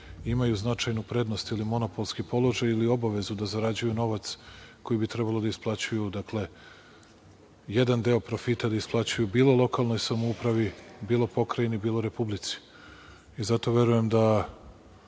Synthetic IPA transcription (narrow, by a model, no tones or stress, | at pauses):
imajuznat͡ʃajnupɾe̞d̪no̞st̪ilimo̞no̞po̞lˠskipo̞lˠo̞ʒajilio̞baʋe̞zud̪azaɾad͡ʑujuno̞ʋat̪sko̞jibit̪ɾɛbalˠod̪aisplˠat͡ɕujud̪akle̞ | jed̪and̪e̞o̞pɾo̞fit̪ad̪aisplˠat͡ɕujubiːlˠo̞lˠo̞kalˠno̞jsamoupɾaʋibiːlˠo̞po̞kɾajinibiːlˠo̞ɾe̞publit̪si̥ | izat̪o̞ʋje̞ɾuje̞md̪a